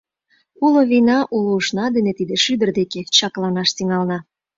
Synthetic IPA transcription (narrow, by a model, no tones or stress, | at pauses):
uloβinɑʔuluuʃnɑd̪enet̪id̪eʃyd̪ə̆rd̪eket͡ɕɑklɑnɑʃt̪iŋɑlnɑ